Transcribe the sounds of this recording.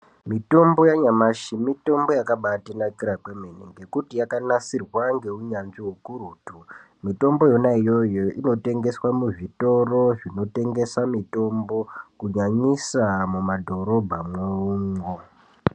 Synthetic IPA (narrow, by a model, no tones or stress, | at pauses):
mito̞mbo̞jaɲamaʃimito̞mbo̞jakaɓatinakiɾakwemeniŋɡe̞kutijakanasirwaŋɡe̞uɲanʐiɦokuɾuːtu | mito̞mbo̞jo̞naijo̞joino̞te̞ŋɡe̞swamuʐito̞ro̞ʐino̞te̞ŋɡe̞samito̞mbo̞kuɲaɲisamumadʱo̞ɾo̞bʱamweuːŋɡo